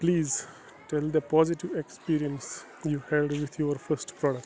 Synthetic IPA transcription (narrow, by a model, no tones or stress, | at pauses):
pliːz | ʈɛld̪əpɔːzɪʈiʋekspiːɾiə̃ns | juːhɛlɖʋɪt̪ʰjoəɾfəɾsʈpɾɔːɖək